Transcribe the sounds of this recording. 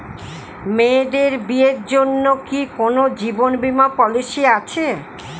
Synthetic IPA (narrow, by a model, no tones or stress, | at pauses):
meɖeɾbieɾd͡ʑonːokikonod͡ʑibonbimapɔliʃiat͡ɕʰe